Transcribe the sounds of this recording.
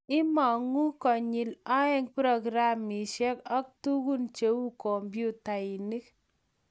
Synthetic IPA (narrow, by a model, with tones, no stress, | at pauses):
ɪ˦ma˨ŋu˦kɔ˨ɲi˨la˦ɛ˦ŋpɾɔ˨ɡɾa˦mi˨ʃɛ˦kɔ˦k̚tu˦ku˦nt͡ʃe˨wu˦kɔ˨mbju˦ta˨i˨ni˦k